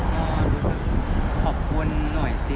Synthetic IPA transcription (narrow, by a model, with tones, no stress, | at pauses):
ʔɔː˧˩˧ɾuː˧˥sɯ˨˩k̚kʰɔː˨˩p̚kʰu˧nːɔ˨˩jti˧